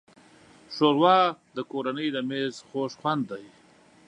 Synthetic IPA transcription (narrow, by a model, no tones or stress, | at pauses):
ʂoɾwɑd̪əkoɾanəjd̪əmezxoʃxwand̪ːaj